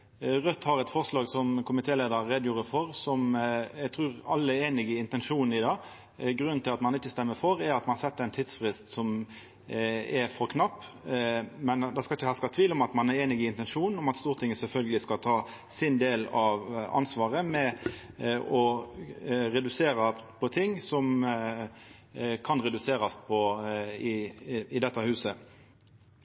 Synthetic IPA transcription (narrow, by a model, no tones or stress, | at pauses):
ʁœt̪ːhɑɾɛt̪fɔʁʂlɑːɡsɔmkʰʊmɪt̪ʰeːleːd̪əɾːeːd̪juːɾəfɔɾsɔmæɡ̚t̪ʰɾʉːʁɑ̰lːəæɾeːnɪɡɪɪnt̪ɛnʂuːn̩ɪd̪ɑː | ɡɾʉnn̩t̪ʰɪlɑt̪mɑnɪçːəst̪ɛmːəfɔɾæɾɑt̪mɑnhɑsɛt̪ːɛɪnt̪ʰiːd̪sfʁɪst̪sɔm | ɛfɔɾkʰnɑpː | mɛnd̪ɛskɑɪçəhɑːskɑt̪ʰʋiːlɔmɑt̪mɑnæɾeːnɪɡɪɪnt̪ɛnʂuːnɔmɑt̪st̪uːʁt̪ʰɪŋːəsɛlfœlɡəlɪskɑt̪ʰɑː | sɪnd̪eːlɑʋɑ̰nsʋɑːʁəmɛ | ɔ | ɾɛd̪ʉseːɾɑpʰɔt̪ʰɪŋːsɔm | kʰɑnʁɛd̪ʉseːɾɑspʰɔɪɪd̪ɛt̪ːəhʉːsə